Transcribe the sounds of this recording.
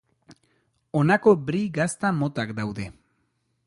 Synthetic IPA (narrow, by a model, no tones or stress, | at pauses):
o̞nako̞bɾiɡast̪amo̞t̪akd̪awðe̞